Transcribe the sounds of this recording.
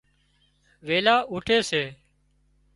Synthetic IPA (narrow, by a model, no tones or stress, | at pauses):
ʋeːlaːʔuːʈʰeːseː